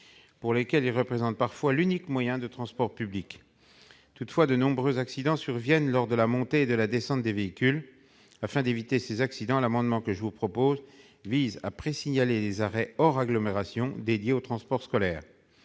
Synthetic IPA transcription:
puʁlekʲɛlilʁəpχezɑ̃t̪̚paʁfwalynikmwajɛ̃d̪ət̪χɑ̃spɔʁpyblik | t̪ut̪fwad̪ənɔ̃bʁøzaksid̪ɑ̃syʁvjɛnlɔʁd̪əlamɔ̃t̪eːd̪əlad̪esɑ̃t̪̚d̪eveikʲyl | afɛ̃d̪evit̪esezaksid̪ɑ̃lamɑ̃d̪mɑ̃kəʒəvupχɔpoz | viza̰pχesiɲalelezaʁɛɔʁaɡlɔmeʁasjɔ̃d̪ed̪jeot̪χɑ̃spɔʁskɔlɛːʁ

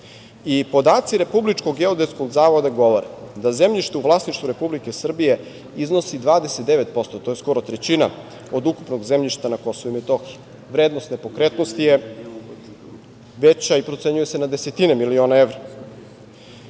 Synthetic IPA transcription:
ipo̞d̪aːt̪siɾe̞publit͡ʃkoɡeod̪eskoɡzaːʋo̞d̪aɡo̞ʋo̞ɾed̪azemʎiʃt̪euʋlˠaːsniʃt̪ʋuɾe̞publike̞sr̩bije̞ | izno̞sid̪ʋaːd̪eset̪̚d̪e̞ʋe̞t̪po̞st̪ot̪o̞je̞sko̞ɾo̞t̪ɾet͡ɕina̰ | od̪uku̥pno̞ɡzemʎiʃt̪anako̞soʋuimet̪o̞xi | ʋɾeːd̪nost̪ne̞po̞kɾe̞t̪nost̪ije̞ | ʋet͡ɕaipɾo̞t̪se̞ɲuje̞se̞nad̪e̞se̞t̪inemilio̞ːnaeʋɾa

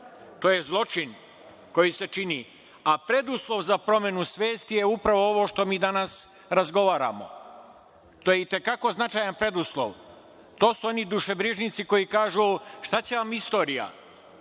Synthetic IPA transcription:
t̪o̞ːje̞zlˠo̞t͡ʃin | ko̞jise̞t͡ʃini | apɾe̞d̪uslˠo̞ʋzapɾo̞me̞nusʋe̞ːst̪ijeupɾaʋo̞oʋo̞ːʃt̪o̞miːd̪anas | ɾazɡo̞ʋaːɾa̰mo̞̰ | t̪oːjeit̪e̞kako̞znat͡ʃaːjanpɾe̞d̪uslˠo̰ʋ | t̪o̞ːsuo̞nid̪uʃe̞bɾiʒnit̪siko̞jikaːʒuʃt̪at͡ɕe̞ʋamist̪o̞ːɾija̰

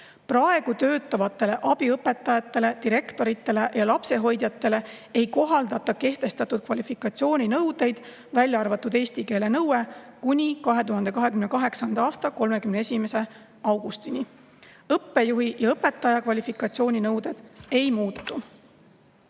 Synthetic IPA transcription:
prɑe̞ɡ̥ut̪ø̞ːt̪ːˑɑvɑt̪ːˑe̞le̞ʔɑb̥iɤpːˑe̞t̪ːˑɑjɑt̪ːˑe̞le̞t̪iɾe̞kt̪o̞ɾit̪ːˑe̞le̞jɑlɑpse̞ɦo̞jd̪̥jɑt̪ːe̞le̞e̞jko̞ɦɑld̪ɑt̪ːˑɑke̞ht̪e̞st̪ɑt̪ːˑud̪̥̚kvɑlʲifikːˑɑt̪sio̞ːnʲinɤwd̪e̞jd̪̥ | vælʲjɑɑrvɑt̪ːˑud̪e̞ːsʲt̪ike̞ːle̞nɤwekunʲikɑɦe̞t̪uɦɑnd̪e̞kɑɦe̞kymne̞kɑɦe̞ksɑnd̪̥ɑɑːst̪ɑko̞lme̞kymneesʲime̞se̞ | ɑwɡ̥ust̪ini | ɤpːe̞juɦijɑɤpe̞t̪ːˑɑjɑkvɑlʲifikːˑɑt̪sio̞ːnʲinɤwd̪̥e̞d̪̥e̞jmuːt̪ːu

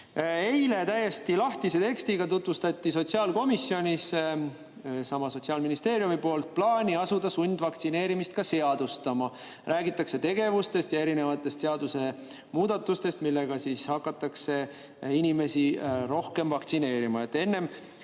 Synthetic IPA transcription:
e̞jle̞t̪æje̞st̪ilɑht̪ise̞t̪e̞kst̪iɡ̥ɑt̪ut̪vust̪ɑt̪ʲːiso̞t̪ʲsiɑːlko̞misːjo̞nʲis | sɑmɑso̞t̪siɑːlminist̪e̞ːɾjumipo̞ːlt̪̚plɑːnʲiɑsud̪ɑsunʲd̪̥vɑkt̪sine̞ːɾimist̪̚kɑse̞ɑd̪̥ust̪ɑmɑ | rʔæːɡit̪ˑːɑkse̞t̪e̞ɡe̞vust̪e̞st̪jɑe̞ɾine̞vɑt̪ˑːe̞st̪se̞ɑd̪use̞ | muːd̪̥ɑt̪ːˑust̪e̞st̪milːe̞ɡ̥ɑsiːshɑkːˑɑt̪ːˑɑkse̞ | inʲime̞siɾo̞hke̞mvɑkt̪sine̞ːɾimɑe̞t̪ːˑe̞nːe̞m

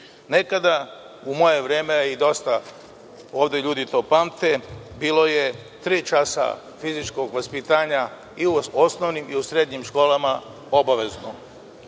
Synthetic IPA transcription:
ne̞kad̪a | umo̞je̞ʋɾe̞ːmeid̪o̞st̪a | o̞ːʋd̪e̞ʎuːd̪it̪o̞ːpaːmt̪e̞biːlˠo̞je̞ | t̪ɾiːt͡ʃasa̰ | fizit͡ʃko̞ɡʋaspit̪aːɲa | iuosnoʋnimiusɾe̞d̪ɲimʃko̞ːlama | o̞baʋe̞zno

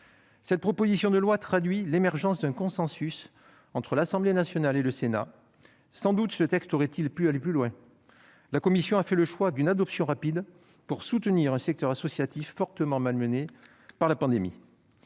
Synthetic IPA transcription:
sɛt̪̚pχɔpozisjɔ̃d̪əlwat̪χad̪ɥilemɛʁʒɑ̃sd̪ɛ̃kɔ̃sɑ̃sys | ɑ̃t̪χəlasɑ̃blenasjɔnaleləsena̰ | sɑ̃d̪ut̪sət̪ɛkst̪oʁɛt̪ilpyaleplylwɛ̃ | lakɔmisjɔ̃afɛləʃwad̪ynad̪ɔpsjɔ̃ʁapid̪ | puʁsut̪əniʁɛ̃sɛk̚t̪œʁasɔsjat̪ifːɔʁt̪əmɑ̃malməne | paʁlapɑ̃d̪emḭ

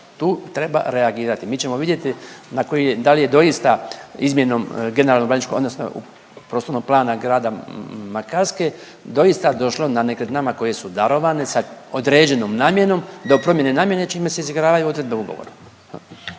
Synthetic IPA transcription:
t̪uːt̪ɾe̞ba̰ɾe̞aɡiːɾat̪imiːt͡ʃe̞moʋid̪jet̪inakojijed̪alije̞d̪o̞ist̪aizmje̞no̞mɡe̞ne̞ɾalnoɡlanit͡ʃkood̪nosno̰ṵ | pɾost̪oɾnoɡ̚plˠaːnaɡɾaːd̪amakaɾske̞ | d̪o̞jist̪ad̪o̞ʃlo̞nanekɾed̪namako̞je̞sud̪aɾo̞ʋane̞saod̪ɾeːd͡ʑe̞no̞mnaːmje̞no̞md̪o̞pɾomje̞ne̞naːmje̞net͡ʃimeseiziɡɾaːʋajuo̞d̪ɾe̞d̪be̞uɡo̰o̰ɾa

